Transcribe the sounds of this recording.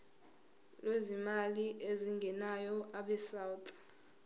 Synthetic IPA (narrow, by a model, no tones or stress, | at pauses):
lwezimaliʔeziŋɡʱɛnajɔʔaɓɛsawtʰʼ